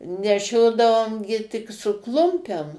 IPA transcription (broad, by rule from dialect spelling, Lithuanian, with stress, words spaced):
nʲɛˈʃʲoːdɐʋoːm ɡʲɪ tʲɪk sʊ ˈklˠʊmʲpʲɛm